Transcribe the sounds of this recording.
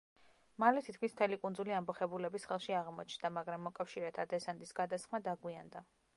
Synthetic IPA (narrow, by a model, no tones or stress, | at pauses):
malɛt̪ʰit̪kʰmism̥t̪ʰɛlikʼund̪zuliambɔχɛbulɛbisχɛlˠʃiaʁmɔt͡ʃʰnd̪amaɡɾamːɔkʼafʃiɾɛt̪ʰad̪ɛsand̪isɡ̥ad̪asχmad̪aɡwiand̪a